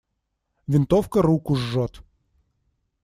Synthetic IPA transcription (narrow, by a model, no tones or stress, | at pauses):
vʲɪnt̪ofkəɾukʊʐːot̪